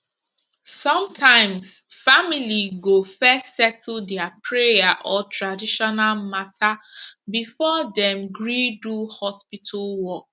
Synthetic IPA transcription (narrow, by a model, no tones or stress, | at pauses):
sɔ̃mtʰãɪ̃ms | familiɡofɛstsɛtʰl̩dɛapʰɹejaʔɔtʰɹadiʃɔnalmatʰabifɔdɛ̃mɡɹiduhɔspitʰalwɔk̚